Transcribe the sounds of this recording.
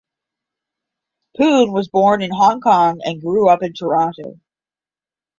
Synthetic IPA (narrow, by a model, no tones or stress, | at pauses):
pʰʉ̃nwʌzbɔɹnɨ̃nɦɑ̃ŋkʰɑ̃ŋɨ̰̃nɡɹuʌpɨ̃ntʰə˞ɑ̃ntoʊ